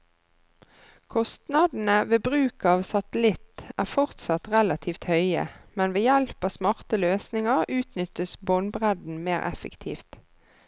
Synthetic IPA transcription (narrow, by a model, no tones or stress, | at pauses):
kʰɔst̪nɑd̪n̩əʋeːbʁʉːkɑːʋsɑt̪əlɪt̪æːʁfɔʁt̪sɑt̪ʁɛlɑt̪ʰiːft̪hœʏə̰mɛnʋeːjɛlpɑːsmɑʁt̪əløːsnɪŋəʁʉːt̪nʏt̪əsboːnbʁɛd̪n̩meːʁʔɛ̰fə̰kt̪ʰḭːft̪